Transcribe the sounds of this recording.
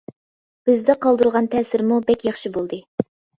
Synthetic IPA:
b̥ɪzd̪ɛqʰɑlˠd̪uɾʁɑnt̪ʰɛsɪɾmubɛkʲjɑχʃibolˠd̪ɨ

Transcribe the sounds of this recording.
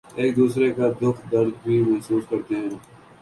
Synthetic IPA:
eːk̚d̪uːsɾekaːd̪ʊkʰd̪əɾd̪bʱiːmɐɦsuːskəɾt̪eɦɛ̃ː

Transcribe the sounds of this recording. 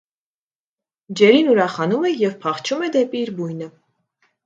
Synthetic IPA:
d͡ʒɛɾinuɾɑχɑnumɛjɛvpʰɑχt͡ʃʰumɛd̪ɛpiːɾbujnə

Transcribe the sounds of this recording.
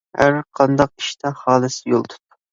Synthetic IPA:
hæ̰ɾqʰɑnd̪ɑqi̥ʃt̪ʰɛhɑːlˠɨsɪ̥jolˠt̪ʰu̥t̪ːu̥

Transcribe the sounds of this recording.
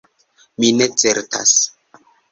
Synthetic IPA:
mine̞t͡seɾta̰s

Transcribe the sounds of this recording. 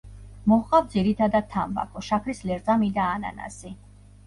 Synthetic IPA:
mɔhqʼawvd̪ziɾit̪ʰad̪ad̪̚t̪ʰːamba̰kʰɔʃakʰɾislɛɾʼamid̪aːna̰na̰si

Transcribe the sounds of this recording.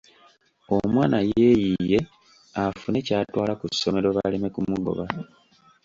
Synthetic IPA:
omwaːnaje̞jije̞ | afune̞caːtwaːlakusːo̞me̞ɾo̞βaleme̞kumuɡo̞̰βa

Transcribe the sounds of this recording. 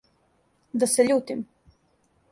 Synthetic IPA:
d̪asɛʎuːt̪im

